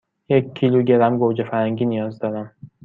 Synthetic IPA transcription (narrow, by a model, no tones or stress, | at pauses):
jecʰːiːluɟe̞ɾæmɡoːd͡ʒefæɾhæŋɟiːnijɒːzd̪ɒːɾæm